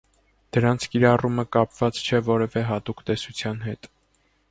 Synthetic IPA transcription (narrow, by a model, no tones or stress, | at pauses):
d̪̥əɾɑnt͡sʰkiɾɑruməkɑpv̥ɑt͡st͡ʃʰɛvɔɾɛvɛɦɑt̪ukt̪ɛsut͡sʰjɑnɦɛt̪